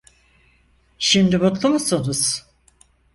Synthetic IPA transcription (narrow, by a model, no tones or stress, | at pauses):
ʃimd̪ibut̪lˠumasunuz̥